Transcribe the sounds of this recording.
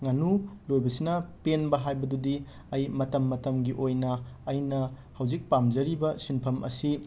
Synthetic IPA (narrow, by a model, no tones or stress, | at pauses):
ŋanulojbɐsinɐpenbɐɦajbɐdudi | ɐjmɐtɐmːɐtɐmɡiʔojnɐːjnɐ | hɐwd͡ʒik̚pamd͡ʒɐɾibɐsinpʰɐmʔɐ̰si